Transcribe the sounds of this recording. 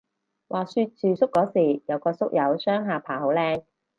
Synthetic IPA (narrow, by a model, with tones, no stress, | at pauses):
wʔaː˨syː˧t̚t͡ʃyː˨˧sʊ˥kːɔː˨˥siː˨˩jɐ˨˧wkɔː˧sʊ˥k̚jɐ˨˥wsœː˥ŋɦaː˨pʰaː˨˩ho˨˥wlɛː˥ŋ